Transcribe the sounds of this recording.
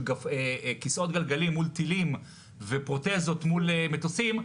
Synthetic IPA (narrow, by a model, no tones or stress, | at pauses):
ɡaekiso̞t̪ɡalɡalimːult̪ilim | vepʁot̪ezo̞t̪mulemet̪osim